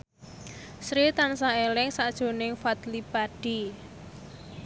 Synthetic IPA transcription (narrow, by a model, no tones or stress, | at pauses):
sɾit̪ansaelɪŋsad̥ʒ̥o̤nɪŋfat̪lipaɖ̥i